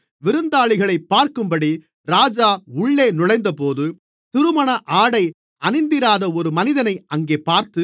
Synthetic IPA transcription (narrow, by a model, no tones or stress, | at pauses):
ʋɪɾɯnd̪aːɭɪɣɐɭɐɪpːaːɾkɯmbɐɽi | ɾaːd͡ʒaːʊɭːeːnʊɻɐɪnd̪ɐpoːðɯ | t̪ɪɾɯmɐɳɐʔaːɽɐɪ | ɐnɪnd̪ɪɾaːðɐɔɾɯmɐnɪðɐnɐɪɐŋɡeːpaːɾt̪ɯ